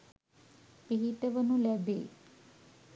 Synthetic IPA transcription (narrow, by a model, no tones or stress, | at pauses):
eɦit̪eʋənulɛbḛ